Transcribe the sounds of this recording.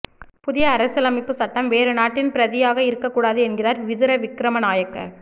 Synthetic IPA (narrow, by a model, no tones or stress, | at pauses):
pʊðɪjɐːɾɐsɯlɐmɪpːɯsɐʈːɐmʋeːɾɯnaːʈːɪnpɪɾɐðɪjaːɣɐɪɾɯkːɐkːuːɽaːðɯɛnɡɪraːɾʋɪðɯɾɐʋɪkːɾɐmɐnaːjɐkːɐ̰